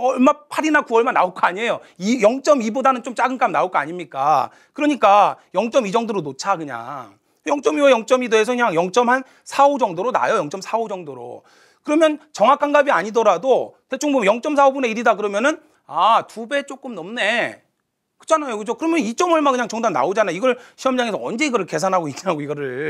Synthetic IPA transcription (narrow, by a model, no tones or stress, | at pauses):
ʌɭmapʰaɾinakuʌɭmanːa̰oɭk͈oaɲie̞joijʌŋt͡ɕ͈ʌmibodanɯnt͡ɕomt͡ɕ͈aɡɯnk͈amnaoɭk͈oa̰ɲimɲik͈a̰ | kɯɾʌɲik͈ajʌŋt͡ɕ͈ʌmid͡ʑʌŋdoɾonot͡ɕʰakɯɲa̰ŋ | jʌŋt͡ɕ͈ʌmiʌjʌŋt͡ɕ͈ʌmideːs̬ʰʌkɯɲaŋjʌŋt͡ɕ͈ʌmhan | sʰaod͡ʑʌŋdoɾona̰jojʌŋt͡ɕ͈ʌmsʰaod͡ʑʌŋdoɾo̰ | kɯɾʌmjʌnt͡ɕʌŋɦakʰanɡabiaɲidʌɾadote̞t͡ɕʰoŋbumjʌŋt͡ɕ͈ʌmsʰaobune̞iɾidakɯɾʌmjʌnɯn | atube̞t͡ɕ͈ok͈ɯmnʌmne̞ | kɯ̥t͡ɕʰanajokɯd͡ʑokɯɾʌmjʌnit͡ɕ͈ʌmʌɭmakɯɲaŋt͡ɕʌŋdanːa̰od͡ʑanaiɡʌɭɕʰiʌmd͡ʑaŋe̞sʰʌʌnd͡ʑe̞iɡʌɾɯɭke̞s̬ʰanɦaɡoiiaɡoiɡʌɾɯɭ